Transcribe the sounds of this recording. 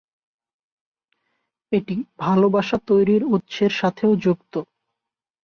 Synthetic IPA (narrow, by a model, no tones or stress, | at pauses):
eʈibʱalobaʃat̪ojɾiɾut̪ːɕʰeɾʃat̪ʰeod͡ʑukt̪o